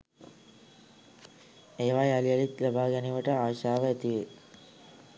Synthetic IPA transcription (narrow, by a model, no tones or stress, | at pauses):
eːʋajaliɐlit̪labaːɡɛniʋəʈəaːʃaːʋəæt̪iʋe